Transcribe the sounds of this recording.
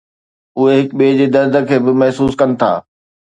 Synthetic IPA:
ʊɦeɦɪkɓeːd͡ʑeːd̪ɐɾd̪ʱə̆kʰeːbɪmɛɦsuːskɐnɪ̆t̪ʰa̰ː

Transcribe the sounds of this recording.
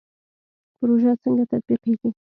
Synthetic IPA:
pʊɾoʒat͡səŋɡat̪at̪̚biqiɡi

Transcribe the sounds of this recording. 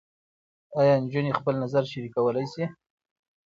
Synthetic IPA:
ajɑɪnd͡ʒunexpəlnazaɾʃaɾikawəlajsi

